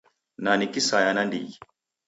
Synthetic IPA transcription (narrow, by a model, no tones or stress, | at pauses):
nanikisajanandḭi